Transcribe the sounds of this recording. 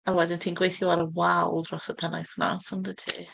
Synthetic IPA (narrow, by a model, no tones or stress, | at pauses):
awɛdɪntʰiːnɡwejθjɔaɾəwalˠdrɔsəpʰɛnajθna̰sɔndətʰḭː